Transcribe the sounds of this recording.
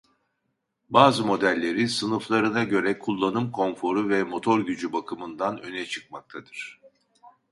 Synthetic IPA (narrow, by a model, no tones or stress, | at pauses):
baːzɯmo̞d̪ælʲːe̞ɾisɯnɯflˠaɾɯnaɟø̞ɾɛkʰulˠːanɯmkʰo̞nfo̞ɾuvɛmo̞t̪ʰo̞ɾɟyd͡ʒybakʰɯmɯnd̪anø̞nɛt͡ʃʰɯ̥k̚mak̚t̪ʰad̪ɯɾ̥